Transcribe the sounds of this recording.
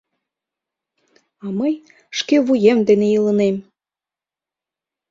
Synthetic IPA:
ɑməj | ʃkeβujemd̪enejilənem

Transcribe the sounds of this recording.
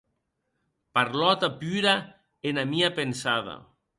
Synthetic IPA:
paɾlɔt̪apyɾa | enamiapensaða̰

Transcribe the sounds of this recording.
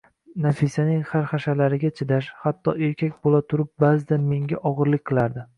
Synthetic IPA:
nafisanɪŋhaɾχaʃalaɾɪɡʲat͡ʃʰɪd̪aʃhat̪ʰːɒe̞ɾkʲakʲbolat̪ʰʊɾɪp̚bazɪd̪anme̞ŋɡʲaʔɒʁɨɾlɪkʲqʰɨlˠaɾd̪ɪ

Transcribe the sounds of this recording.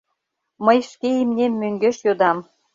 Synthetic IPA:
məjʃkeimnʲemːøŋɡeʃjod̪ɑm

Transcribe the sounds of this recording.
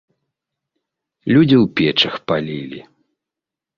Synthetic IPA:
lʲud͡zʲiwpʲɛt͡ʂɐxpalʲilʲḭ

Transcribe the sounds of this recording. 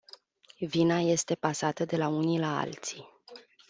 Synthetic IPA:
vinaje̞st̪e̞pasat̪əd̪e̞launilaa̰lt̪sij

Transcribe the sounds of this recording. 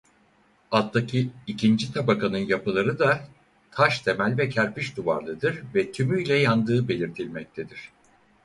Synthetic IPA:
at̪d̪acʰiicʰind͡ʒit̪ʰabakʰanɯnjapɯlˠaɾɯd̪a | t̪ʰaʃt̪ʰe̞mælʲvɛcʰæɾpiʃd̪uva̰ɾlˠɯd̪ɯɾvɛt̪ʰymyjlʲɛjand̪ɯːbe̞lʲiɾt̪ʰilʲmɛc̚t̪ʰed̪iɾ̥

